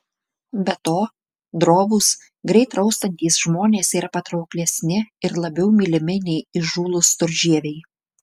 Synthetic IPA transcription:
bʲɛt̪oː | d̪ɾoːʋʊs | ɡɾʲɛɪt̪ɾɒʊst̪ɐnʲt̪ʲiːsʒmoːnʲeːsiːɾɐpɐt̪ɾɒʊklʲɛsʲnʲɪɪɾlˠɐbʲɛʊmʲilʲɪmʲɪnʲɛɪɪʒuːlˠʊst̪ʊɾʲʒʲiɛʋʲɛɪ

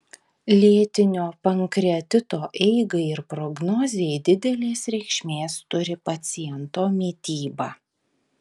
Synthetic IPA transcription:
lʲeːt̪ʲɪnʲoːpɐŋkɾʲɛd̪ʲɪt̪oːʔɛɪɡɐɪɪɾpɾɔɡnɔːzʲɪjɛɪd̪ʲɪd̪ʲɛlʲeːsɾʲɛɪkʃʲmʲeːst̪ʊɾʲɪpɐt̪sʲɪjɛnt̪oːmʲiːt̪ʲiːbɐː

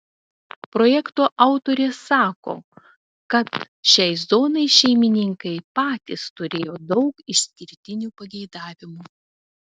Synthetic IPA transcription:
pɾoːjɛkt̪oːʔɑˑʊt̪oːɾʲeːsɑːko̰ː | kɐt̪ | ʃʲɛɪzoːnɐɪʃʲɛɪmʲɪnʲɪŋkɐɪpɑːt̪ʲɪst̪ʊɾʲeːjoːd̪ɒʊkɪʃʲsʲkʲɪɾʲt̪ʲɪnʲuːpɐɡʲɛɪd̪ɑːʋʲɪmu

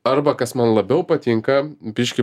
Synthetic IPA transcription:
ɐɾbɐkɐsmɐnlˠɐbʲɛʊpɐt̪ʲiŋkɐbʲɪʃʲkʲɪ

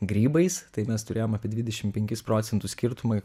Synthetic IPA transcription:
ɡɾʲiːbɐɪst̪ɐɪmʲɛst̪ʊɾʲeːjoːmɐːpʲiɛd̪ʋʲɪd̪ʲɛʃʲɪmpʲɛŋʲkʲɪspɾoːt̪sʲɛnt̪ʊssʲkʲɪɾt̪ʊmɐ

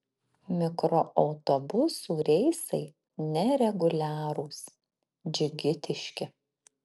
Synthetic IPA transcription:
mʲɪkɾoʔɒʊt̪obʊsuːɾʲɛɪsɐɪ | nʲɛɾʲɛɡʊlʲæːɾuːs | d͡ʒʲʊɡʲɪt̪ʲɪʃʲkʲɪ

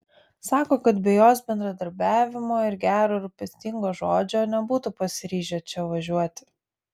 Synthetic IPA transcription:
sɑːkoːkɐt̪bʲɛjoːsbʲɛnd̪ɾɐd̪ɐɾʲbʲæːʋʲɪmoːɪɾɡʲæːɾoːɪɾʊpʲɛsʲt̪ʲɪŋɡoːʒoːd͡ʒʲoːnʲɛbuːt̪ʊpɐsʲɪɾʲiːʒʲoːt͡ʃʲɛʋɐʒʲuɔt̪ʲɪ̥

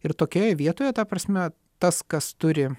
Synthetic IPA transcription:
ɪɾt̪oːkʲoːjɛʋʲiɛt̪oːjɛt̪ɐpɾɐsʲmʲɛ | t̪ɐskɐst̪ʊɾʲɪ

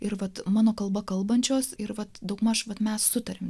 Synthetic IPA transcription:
ɪɾʋɐt̪mɑːnoːkɐlˠbɐkɐlˠbɐnʲt͡ʃʲoːsɪɾʋɐt̪d̪ɐʊkmɐʃʋɐt̪mʲɛssʊt̪ɐɾʲɪm

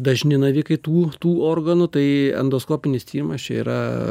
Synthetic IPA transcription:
d̪ɐʒʲnʲɪnɐʋʲɪkɐɪt̪uːt̪uːoːrɡɐnʊt̪ɐɪɛ̰nd̪oːskoːpʲɪnʲɪst̪ʲiːɾʲɪmɐst͡ʃʲɛḭɾɐ

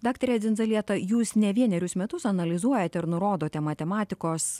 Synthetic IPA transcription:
d̪ɑːkt̪ɐɾʲɛːd͡z̪ʲɪnzɐlʲiɛt̪ɐjuːsnʲɛʋʲiɛnʲɛɾʲʊsmʲɛt̪ʊsɐnɐlʲɪzuɔjɛt̪ʲɛɪɾnʊɾoːd̪oːtʲɛmɐt̪ʲɛmɑːt̪ʲɪkoːs

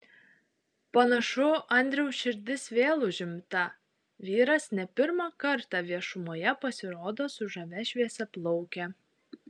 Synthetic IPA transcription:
pɐnɐʃʊʔɐnʲd̪ʲɾʲɛʊsʃʲɪɾʲd̪ʲɪsʋʲeːlˠʊʒʲɪmt̪ɐ | ʋʲiːɾɐsnʲɛpʲɪɾmɑˑkɐɾt̪ɑˑʋʲiɛʃʊmoːjɛpɐsʲɪɾoːd̪oːsʊʒɐʋʲɛʃʲʋʲiɛsʲɛplˠɔʊkʲɛ

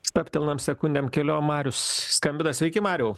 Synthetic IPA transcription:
st̪ɐpʲt̪ʲɛlˠnɐmsʲɛkʊnʲd̪ʲeːmkʲɛlʲoːmɑːɾʲʊsskɐmʲbʲɪd̪ɐsʲʋʲɛɪkʲɪmɑːɾʲɛʊ

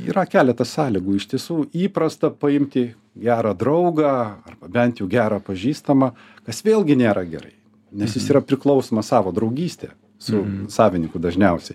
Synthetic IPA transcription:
ḭːɾɐkʲæːlʲɛt̪ɐssɑːlʲɪɡuːɪʃt̪ʲiɛsuːiːpɾɐst̪ɐpɐɪmʲt̪ʲɪ | ɡʲæːɾɑːd̪ɾɐʊɡɑːɐrbɐbʲɛnt̪jɛʊɡʲæːɾɑːpɐʒʲiːst̪ɐmɐ | kɐsʋʲeːlˠɡʲɪnʲeːɾɐɡʲɛ̰ɾɐ̰ɪ | nʲɛsjɪsiːɾɐpʲɾʲɪklˠɒʊsoːmɐssɑːʋoːd̪ɾɒʊɡʲiːsʲt̪ʲḛ | sʊsɑːʋʲɪnʲɪŋkʊd̪ɐʒʲnʲɛʊsʲɛɪ

